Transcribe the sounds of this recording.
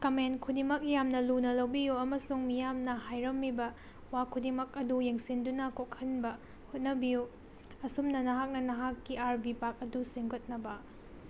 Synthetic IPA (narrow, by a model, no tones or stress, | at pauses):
kɐmenkʰudimɐk̚jamnɐlunɐlɐwbijuɐmɐsuŋmijamnɐɦajɾɐmːibɐ | wakʰudimɐk̚ɐdujeŋsindunɐkokʰhɐnbɐ | hot̚nɐbiju | ɐsumnɐnɐɦak̚nɐnɐɦakːiaɾbipak̚ɐdusiŋɡot̚nɐbɐ